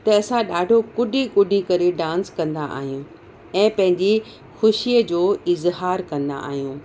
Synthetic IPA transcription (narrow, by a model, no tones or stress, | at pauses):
t̪ɐɐsãɗaːɖʱokʊɖʱikʊɖʱikɐɾeɖãːnskɐ̃nd̪a̰ʔa̰ːɦijũ | ɛ̃ːpɐ̃ɦɪ̃ɲd͡ʑi | xʊʃiəd͡ʑoːɪzɦaːɾkɐ̃nd̪a̰ʔa̰ːɦijũː